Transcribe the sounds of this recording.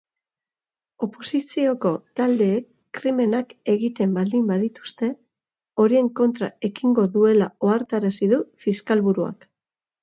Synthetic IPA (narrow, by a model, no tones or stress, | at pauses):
o̞po̞sisio̞ko̞t̪ald̪e̞ːkːɾime̞nake̞ɣit̪e̞mbald̪imbaðit̪u̥st̪e̞ | o̞ɾie̞ŋko̞nt̪ɾae̞kiŋɡo̞ðue̞lao̞aɾt̪aɾasiðufiskalβuɾua̰k